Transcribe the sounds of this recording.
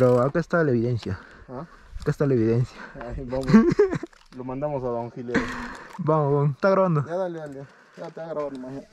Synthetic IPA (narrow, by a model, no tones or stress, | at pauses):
pɾoakest̪alaeβiðensjaa | akest̪alaeβiðensjaabam | lomãnd̪amosaðaŋxiljebamoβoŋest̪aɣɾaβand̪oaðaleðale | at̪aɣɾaβand̪omaɲa